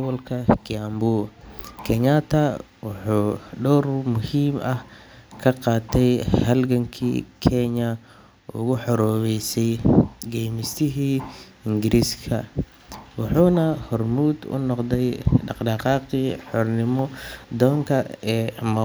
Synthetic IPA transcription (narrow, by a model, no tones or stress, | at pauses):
βɔlkʰɐkʰɪambukʰɛɲɐt̪ʰɐ | wʊħuːɖɔrmʊhiːmɐh | kʰɐqɑːt̪ʰɛjhɐlɡɐŋkʰḭːkʰɛɲɐ | ʊ̰ɣʊħɔɾɔːβɛjsɛjɡɛjmɪst̪ʰɪɦiː | ɪŋɡɪɾʔiːskʰɐ | wɑħuːnɐhɔrmuːd̪ʊ̰nɔqd̪ɛjɖɑqɖɑqɑːqiħɔrnɪmɔd̪ɔːŋkʰɐɛːmɐ